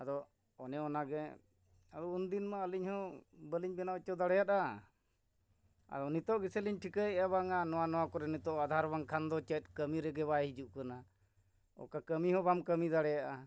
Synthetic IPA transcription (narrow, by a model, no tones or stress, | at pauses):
ad̪ɔ | ɔnɛɔnaɡɛ | ad̪ɔund̪inmaəliɲhɔbəliɲbɛnaʔɔt͡ʃɔd̪aɽɛjat̪̚a | a̰d̪ɔnit̪ɔʔɡisɛliɲʈʰikəjaβaŋanɔwanɔwakɔɾɛnit̪ɔʔad̪ʱaɾbaŋkʰand̪ɔt͡ʃət̪̚ˀkəmiɾɛɡɛβajɦid͡ʒuʔkəna | ɔ̰kakəmiɦɔ̃bamkəmid̪aɽɛjaʔa